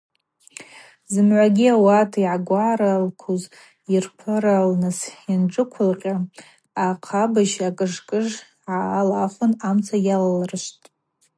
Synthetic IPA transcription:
zɨmʕʷaɡʲiawatʰiʕaɡʷaɾalkʰuz | irpʰɨɾalnɨsanʈ͡ʂʼɨkʷʰʊlqʲʼa | aqʰabaʃakʼɨʐkʼɨʐ | ʕalaχʷʊnamt͡sʰajalalrɨʃʷtʼ

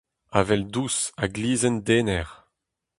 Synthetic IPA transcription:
avɛld̪usaɡliːzɛnd̪eːnɛʁ

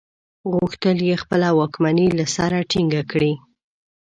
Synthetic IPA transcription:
ɣuxt̪əljexpəlawɑkmanilasaɾaʈiŋɡakɽi

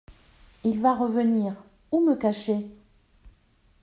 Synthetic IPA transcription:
ilvaʁəvəniːʁ | uməkaʃe

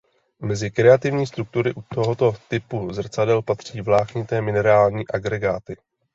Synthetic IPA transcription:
mɛzɪkɾɛat̪ɪvɲiːs̬t̪ɾuk̚t̪uɾɪʔut̪o̞ɦo̞t̪o̞t̪ɪpuzr̩t͡sadɛlpat̪r̝̥iːvlaːxɲɪt̪ɛːmɪnɛɾaːlɲiːʔaɡɾɛɡaːt̪ɪ

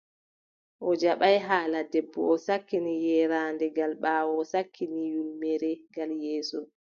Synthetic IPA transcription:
ʔɔd͡ʒaɓajɦaːladebːɔ̰ɔsakːinijɛɾaːndɛɡalɓaːwɔsakʰːinijulmɛɾɛɡaljɛːsɔ

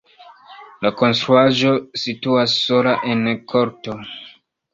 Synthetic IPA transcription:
lako̞nstɾuaʒo̞situasːo̞laʔe̞nkʰo̞ɾto̞

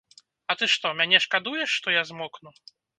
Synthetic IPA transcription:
ɐt̪ɨʂt̪ɔmʲanʲɛʂkad̪ujɛʂːt̪ɔjazmɔknu

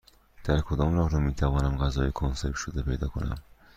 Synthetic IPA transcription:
d̪̥æɾkʰod̪ɒːmɾɒːɣɾɒːmiːt̪ʰævɒːnæmɢæzɒːjekʰonseɾt̪ʃod̪epʰejd̪ɒ̰ːkʰo̰næ̰m

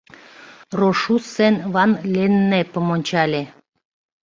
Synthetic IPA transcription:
roʃusenβɑnlʲenːepəmonʲt͡ɕɑlʲe

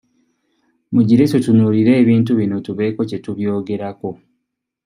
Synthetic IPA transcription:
muɟiɾetutunuɾiɾe̞ːβiːntuβino̞tuβe̞ːko̞ce̞tuβjo̞ːɡe̞ɾako̞

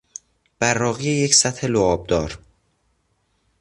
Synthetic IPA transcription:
b̥æɾːɒːɣijejecsæt̪ʰhe̞loɒːb̚d̪ɒːɾ

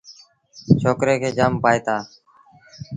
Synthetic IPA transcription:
t͡ʃʰoːkɾeːkʰeːd͡ʒaːmpaːeːt̪aː

